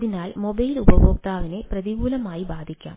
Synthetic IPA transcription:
ðinaːlmobɐjlubɐbʱoːk̚t̪aːʋine̞prɐðiɡuːlɐmaːjibaːd̪ʱikʲːa̰ːm

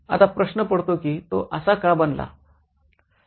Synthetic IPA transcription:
a̰t̪apɾəɕnəpəɽt̪okiːt̪oʔəsakabənla̰

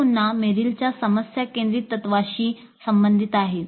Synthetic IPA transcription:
unːameɾilt͡ɕjasəməsjakẽnd̪ɾiːt̪ːət̪ʋaɕiː | səmbənd̪ʱit̪aɦe

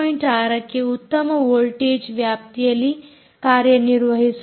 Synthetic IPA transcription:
iɳʈaɾɐkeut̪ːəməʋolʈed͡ʒʋjap̚t̪ijeliː | kaɾjəniɾʋəɦis

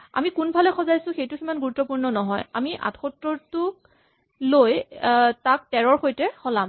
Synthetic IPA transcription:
a̰mikunbʱalɛxɔzajsʊ̃xejtʊkimanɡuɹutːɔpuɹnɔnɔɦɔja̰miʔa̰txɔtɹɔɹtʊ | lojtak̚tɛɹɔɹxojtɛxɔlam

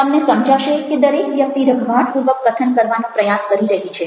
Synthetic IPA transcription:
əmnesəmd͡ʒaʃeked̪əɾekʋjək̚t̪iɾəɡʱbʱaʈpuɾʋəkɡət̪ʰənkəɾʋanõpɾəjaskəɾiɾəɦit͡ʃʰe

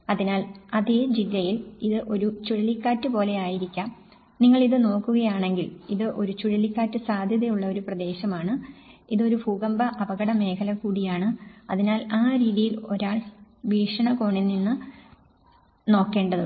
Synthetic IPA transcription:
ɐðinaːlɐðeːd͡ʑilːɐjiliðɨʔo̞ɾut͡ɕuɻɐlikːaːtːɨpo̞ːle̞aːjiɾikʲːaːm | niŋːɐɭiðɨno̞ːkːuɣɐjaːɳe̞ŋɡiliðɨʔo̞ɾut͡ɕuɻɐlikːaːtːɨsaːd̪ʱjɐðɐjuɭːɐo̞ɾuprɐd̪e̞ːɕɐmaːɳɨiðo̞ɾubʱuːɡɐmbɐʔɐbɐɣɐɽɐme̞ːkʰɐlɐkuːɽijaːɳɨɐðinaːlaːɾiːðijilo̞ɾaːɭʋiːʂɐɳɐko̞ːɳinːinːɨ | no̞ːkːe̞ːɳɖɐðɨ

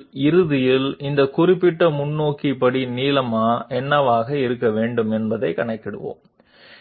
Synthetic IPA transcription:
ɪɾɯðɪjɪlɪnd̪ɐkʊrɪpːɪʈːɐmʊnːoːkipɐɽiniːlɐmaːʔɛnːɐʋaːɣɐɪɾɯkːɐʋeːɳɖɯmɛnbɐðɐɪkɐɳɐɪkːɪɽɯ̰ʋo̰ːm

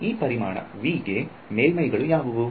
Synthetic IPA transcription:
iːpɐɾima̰ːɳɐ̰ʋiːɡe | meːlmɐjɡɐɭujaːʋuʋu

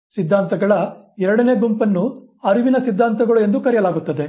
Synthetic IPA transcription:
sid̪ʱːaːnt̪ɐɡɐɭɐɛɾɐɽɐne̞ːbumpɐnːu | ɐɾuʋinɐsid̪ʱːaːnt̪ɐɡɐɭue̞nd̪ukɐɾijɐlaːɡut̪ːɐd̪e̞

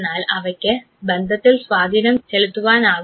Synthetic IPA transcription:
naːlɐʋɐkʲːɨ | bend̪ʱɐt̪ːilsʋaːd̪ʱiːnɐmt͡ɕeɭut̪ːuʋaːnaː

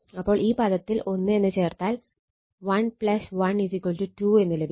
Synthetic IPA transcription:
ɐpːo̞ːɭʔiːpɐd̪ɐt̪ːilʔo̞nːɨe̞nːɨt͡ɕe̞ːrt̪aːl | ʋɐnpɭɐsʋɐnɖisikːɐltuʈuːe̞nːɨlebʱi

